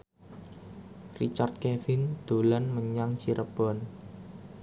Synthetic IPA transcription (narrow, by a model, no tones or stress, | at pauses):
rit͡ʃart̪̚kɛfɪnd̪̥o̤lanməɲaŋt͡ʃiɾəb̥ɔ̤n